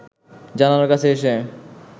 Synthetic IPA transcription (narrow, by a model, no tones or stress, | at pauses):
d͡ʑananoɾkat͡ɕʰeeʃe